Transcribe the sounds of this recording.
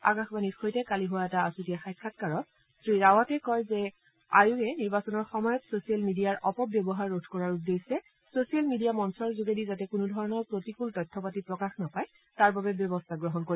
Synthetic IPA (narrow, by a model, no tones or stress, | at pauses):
a̰kãxbanitxojtɛkaliɦʊwaɛtaasutijaxajkʰːat̚kaɹɔt̚ | sɹiɹawatɛkɔjzɛ | a̰juɛniɹbasɔnɔɹxɔmɔjɔtsosijalmidijaɹʔɔpɔbjɔbɔɦaɹːodʰʱkɔɹaɹudesɛ | sosijalmidijamɔnsɔɹzuɡedizatɛkʊnʊdʱɔɹɔnɔɹpɹotikultɔjtʰːɔpatipɹɔkaxnapaj | taɹbabɛbjɔbɔstʰaɡɹɔɦɔnkoɹi